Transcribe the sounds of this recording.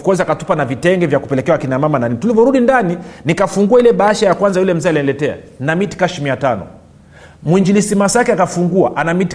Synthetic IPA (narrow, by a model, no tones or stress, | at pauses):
kɔziakatu̥panavitɛŋɡɛvjakupɛlɛkɛawakinamamananinitulivjɔɾuɗindaninikafuŋɡuailɛɓaaʃajakwanzajulɛm̩zɛaliɛlɛtɛa̰namiti̥kaʃimiatanɔ̰ | mwiɲd͡ʒilisimasakɛakafuŋɡua̰ʔanamiti